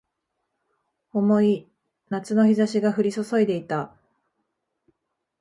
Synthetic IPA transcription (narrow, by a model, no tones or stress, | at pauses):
o̞mo̞i | nat͡sɨno̞çizaɕiɡaɸɯ̟ɾʲiso̞so̞id̪e̞it̪a